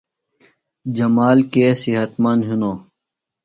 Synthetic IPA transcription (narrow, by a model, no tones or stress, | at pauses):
d͡ʑəmaːlkesiɦət̪manɦunoː